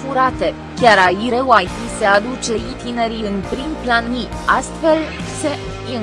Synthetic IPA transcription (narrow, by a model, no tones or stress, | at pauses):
fuɾat̪e̞ | kʲaɾaiɾewajfise̞ad̪ut͡ʃe̞it̪ine̞ɾiɨnpɾimplanːi | ast̪fe̞lse̞ | i